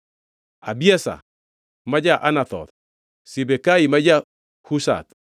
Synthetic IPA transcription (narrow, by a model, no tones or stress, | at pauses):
abiasa̰ | mad͡ʒaʔanaθɔ̰t̪ | sibekaimad͡ʒa | husa̰t̪